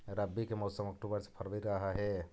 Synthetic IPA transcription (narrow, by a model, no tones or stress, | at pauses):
ɾəbːikemɔːsəmɐk̚ʈubəɾse̥pʰəɾʋiɾəɦaɦɛ